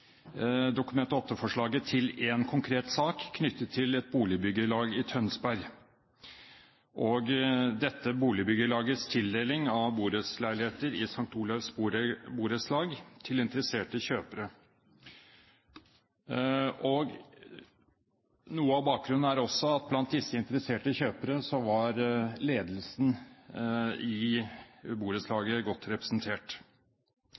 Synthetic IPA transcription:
d̪ʊkʉmɛnt̪əɔt̪ːəfɔʂɭɑːɡət̪ʰɪleːnkʰʊŋkʰɾeːt̪sɑːkʰːnʏt̪ːət̪ʰːɪlɛt̪̚buːlɪəbʏɡəɭɑːɡɪt̪ʰœnsbæɾɡ | ʔɔɡd̪ɛt̪ːəbuːlɪəbʏɡəɭɑːɡəst̪ʰɪld̪eːlɪŋɑʋbuːɾəslæɪlɪheːt̪əɾɪsɑŋk̚t̪uːlɑʋsbɾbuːɾəslɑːɡt̪ʰɪlɪnt̪əɾəseːʈəçøːpəɾə | ɔɡ | nuːəɑʋbɑːk̚ɡɾʉnn̩æɾɔsːɔɑt̪̚blɑnt̪̚d̪ɪsːəɪnt̪əɾəseːʈəçøːpəɾəsɔʋɑɾleːd̪lsn | ɪ | buːɾəslɑːɡəɡɔt̪ːɾɛpɾə̥snt̪ʰeːʈ

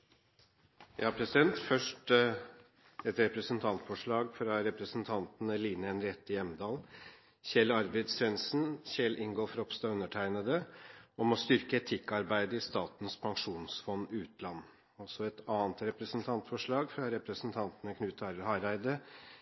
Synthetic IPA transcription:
jɑpʰɾɛsɪd̪ɛnt̪fœʂʈ | ɛt̪ɾɛpɾəsnt̪ʰɑnt̪fɔʂɭɑːɡfɾɑɾɛpɾəsn̩t̪ʰɑnt̪nəliːnəɛnɾɛt̪ːɪjɛməd̪ɑːl | çɛlɑɾbɛɪd̪sɛnsn̩çɛlʔɪŋɡɔlfɾɔpst̪ɑʉnːəʈʰæɪnəd̪əɔmɔst̪ʏɾkəɛt̪ʰɪkːɑɾbæɪd̪əɪst̪ɑːt̪n̩spʰɑŋʂuːnsfɔnːɪʉːt̪lɑnː | ɔsɔɛt̪ɑːnt̪ɾɛpɾəsnt̪ʰɑnt̪fɔʂɭɑːɡfɾɑɾɛpɾəsnt̪ʰɑnt̪nəkʰnʉːt̪ʰɑɾhɑɾæɪd̪ə

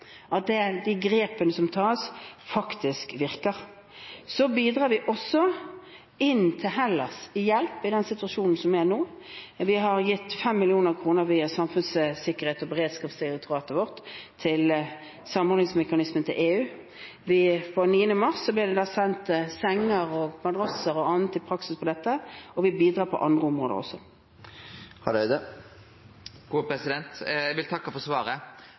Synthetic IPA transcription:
ʔɑt̪̚d̪ɛd̪ɪɡɾeːpənəsɔmt̪ʰɑːsfɑkt̪ɪskʋɪʁkəʁ | sɔbiːd̪ʁɑːɾʋɪʔɔsːɔ | ɪnt̪ʰɪlɦɛlːəsɪjɛlpɪd̪ɛnsɪt̪ʉɑʃuːnn̩sɔmʋɪænoː | ʋɪɦɑɾjɪt̪ːfɛmːɪlɪuːnəʁkʰʁuːnəɾʋiːɑsɑmfʉnssɪkːəʁheːt̪ɔbɛʁeːd̪skɑːpsɪɾɛkt̪ʰʊʁɑːt̪əʋɔʁt̪t̪ʰːɪl | sɑmɔɾlnɪŋsmɛkɑnɪsmənt̪ʰɪlʔeːʉː | ʋɪfɔniːənəmɑʁsːɔblɪʁd̪ɛd̪ɑːsɛnt̪sɛŋːəʁɔɡmɑd̪ʁɑsəʁɔɑnt̪ːɪlpʰɾɑksɪspʰɔd̪ɛt̪ːəɔʋɪbiːd̪ɾɑːpʰɔ̰ʔɑnd̪ʁəʊmʁoːd̪ə̰ʁɔ̰sːɔ | hɑd̪ɛd̪ə | ɡ̥uːpɾɛsɪd̪ɛnt̪æɡʋɪlt̪ʰɑkːɑfɔsʋɑːɾə

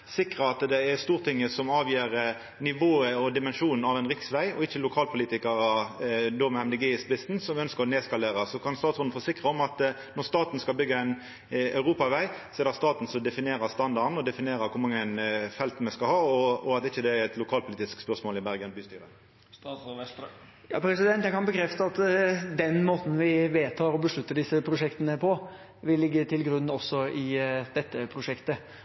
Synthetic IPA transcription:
sɪkʁəɑt̪d̪ɛɛʁst̪uːʁt̪ʰɪŋːəsɔmɑːʋjiːɾ | nɪʋoːəɔd̪ɪmɛnʂuːnn̩ɑʋɛnɾɪksʋæɪɔ̰ɪçːəlʊkʰɑːlpʰʊliːt̪ɪkəʁəd̪omɛɛmd̪ɛɡiːspɪsn̩sɔmʋɪœnskəʁɔneːskɑleːʁəsɔkʰɑnst̪ɑːt̪sʊnn̩foːsɪkʁəɔmɑt̪ | nɔʁst̪ɑːt̪n̩skɑlbʏɡːəɛn | ɑ̰ʉʁuːpɑʋæɪsɔɛd̪əst̪ɑːt̪n̩sɔd̪ɛfɪneːʁəst̪ɑnd̪ɑɾn̩ɔd̪ɛfɪneːɾəkʰʊmɑŋːənfɛlt̪mɛskɑlhɑːɔɔɑt̪ɪçːəd̪ɛæɾɛt̪lʊkʰɑːlpʰʊlɪːt̪ɪskspœʁsmoːlɪbæʁɡənbyːst̪yːɾə̰ | jɑ̰ːpʰɾɛsɪd̪ɛnt̪jæɪkʰɑnbəkʰɾɛft̪əɑt̪d̪ɛnmoːt̪n̩ʋɪʋeːt̪ʰɑːɾɔbəʂɭʉt̪ːəd̪ɪsːəpʰɾʊʂɛkt̪ənəpʰɔ | ʋɪlːɪɡːət̪ʰɪlɡɾʉnːɔsːɔɪd̪ɛt̪ːəpʰɾʊʂɛkt̪ə

